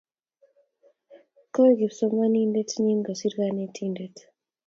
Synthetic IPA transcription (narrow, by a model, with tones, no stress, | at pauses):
ko˦ɡi˨pso˨ma˦ni˦nde˦tni˦ŋɡo˨si˦ɾɡa˦ne˦tʰi˦nde˦t